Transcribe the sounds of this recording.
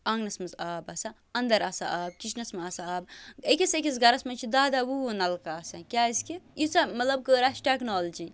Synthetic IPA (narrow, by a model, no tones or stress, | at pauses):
ɐŋnɐsmɐzaːbɐsɐ | ɐnd̪ɐɾɐsa̰ʔaːb̚kʲit͡ʃnɐsmɐɐsaaːbekʲisekʲis̬ɡɐɾɐsmɐnt͡ʃʰid̪aːd̪awunɐlkaːsɐkʲaːiskijit͡sʰɐmɐt̪lɐb̚kəːɾaːsʈeknoːld͡ʒi